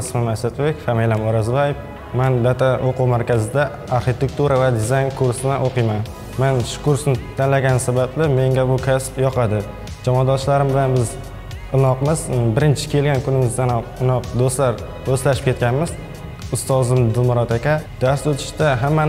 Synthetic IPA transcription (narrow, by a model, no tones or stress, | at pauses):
smamasat̪ʰbekʲfamejlamɒɾazvajef | mand̪at̪ʰaʔoqʊwmaɾkʲʰazɪd̪a | aɾχit̪ʰe̞k̚t̪uɾavad̪ɪzajnkʰʊɾsɪnaʔoqɨjman | manʃʊ̥kʰʊɾsnɪt̪ʰanlaɡʲansabablɪme̞ŋɡʲabʊkʲʰaspjɒqʰɑd̪ɪ | d͡ʒamɒd̪ɒʃlaɾɪmbɪlanbɪz | ɪnɒqmɪzbɪɾɪnt͡ʃʰɪ̥kʲʰe̞lɡʲankʰʊnɪmɪzd̪anɒɨnɒq̚d̪ost̪laɾ | oslaʃɪ̥pkʲʰe̞t̪̚kʲanmɪz | ʊst̪ɒzɪmd̪ɪlmʊɾɒt̪akʲad̪̥ast̪ot̪ʰɪ̥ʃd̪aɦamːan